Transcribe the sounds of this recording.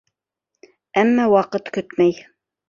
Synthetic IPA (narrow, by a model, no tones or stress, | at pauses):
æmːæwɑqɤt̪kɵt̪mæj